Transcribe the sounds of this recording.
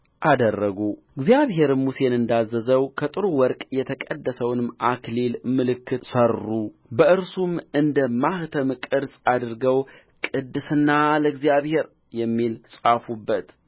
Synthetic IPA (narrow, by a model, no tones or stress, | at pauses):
ʔad̪ərːəɡuɨɡzijaβɦe̞ɾɨmːuse̞nɨnd̪azːəzəwkʰət̪ʼɨɾuwɔɾkʼjɛt̪ʰəkʼəd̪ːəsəwnɨmʔaklilmɨlɨkʰːɨtsərːubəʔɨɾsumɨnd̪əmaht̪ʰəmkʼɨɾsʼad̪ɨɾɡəw | kʼɨd̪ːɨsɨnːaləɡzijaβhe̞ɾ | jɛmːilsʼafubːət̪